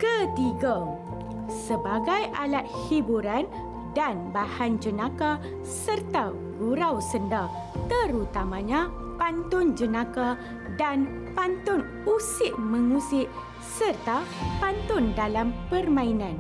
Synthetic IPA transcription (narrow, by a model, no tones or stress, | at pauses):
kət̪iɡa | səbaɡajʔalat̪̚hibuɾan | danbahand͡ʒənãka | sərt̪a | ɡuɾawsənda | t̪əɾut̪amãɲã | pant̪ʊnd͡ʒənãka | dan | pant̪ʊn | usɪʔ̚mə̃ŋusɪʔ | sərt̪apant̪ʊndalampərmãinãn